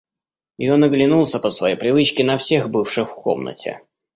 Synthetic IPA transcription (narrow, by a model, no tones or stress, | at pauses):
jɪ̰jonəɡlʲɪnulˠsʲəpəsvɐjejpɾʲɪvɨt͡ɕkʲɪnɐfsʲe̞xbɨfʂɨxfko̰mnə̰tʲɪ̰